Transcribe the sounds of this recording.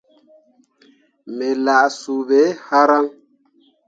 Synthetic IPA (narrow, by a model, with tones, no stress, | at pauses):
me˨la˨ʔsu˨be˨˦ha˦ɾa˦ŋ